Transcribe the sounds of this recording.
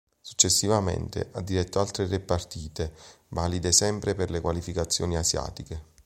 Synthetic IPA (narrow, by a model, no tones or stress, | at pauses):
su̥t͡ʃːesːivamḛnt̪ḛʔad̪ːiɾɛt̪ːoalt̪ɾerepart̪iːt̪e | valid̪esɛmpɾeperlekwalifikat̪sːjɔ̰ːniasja̰ːt̪ike